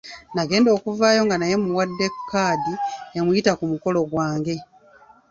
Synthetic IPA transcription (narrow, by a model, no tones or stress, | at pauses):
naɡe̞ːndo̞ːkuvaːjo̞ŋɡanaje̞muwadːe̞kʰːaːdiemujitakumuko̞lo̞ɡwaːŋɡe̞